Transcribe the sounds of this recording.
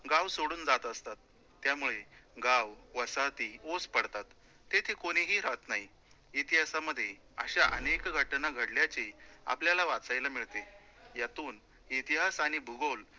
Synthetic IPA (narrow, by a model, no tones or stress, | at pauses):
ɡawsoɽuːnd͡zat̪əst̪at̪ː | jamuɭeɡawʋəsat̪iospəɽt̪at̪ː | et̪ʰekoɽ̃iɦiːɾaət̪nai | it̪iɦasaməd̪ʱːje | əɕaʔə̰nekɡʱəʈnaɡʱəɽljat͡ɕia̰pljalaʋat͡sajlamiɭt̪e | jat̪uːn | it̪iɦasaɽ̃ibʱuɡol